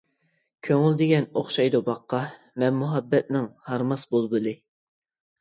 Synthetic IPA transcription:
kʲʰøŋɪld̪ɪɡʲɛnoχʃɑjd̪ubɑqːɑ | mɛnmuɦɑbːɛt̪̚nɪŋhɑɾmɑsbolˠbɨlɨ

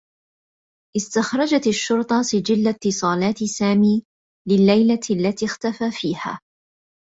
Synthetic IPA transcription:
ʔɪst̪axɾˤɑd͡ʒat̪aʃːʊɾt̪ˤɑsɪd͡ʒɪlːat̪ːɪsˤɑːlɑːt̪saːmiː | lɪlːajlalːat̪iːxt̪afaːfiːha̰ː

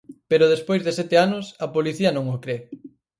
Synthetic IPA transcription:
peɾʊð̞espojzðesɛt̪eanʊsɐpoliθiɐnõŋokɾe

